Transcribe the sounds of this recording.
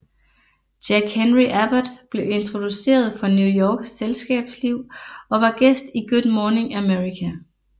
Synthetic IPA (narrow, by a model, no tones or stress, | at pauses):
d̥æɡ̥henʁiʔæb̥æd̥b̥le̝e̝nt͡sʰʁo̝d̥use̝̰ːɐð̞ˠfɒ̽njujɒːɡ̥sːelsɡ̥ɛ̰ːb̥sliʊ̰ɒ̽ʋɑ̈ɡ̥esd̥iɡ̥ud̥ˠmɒːne̝ŋæmeʁikʰæ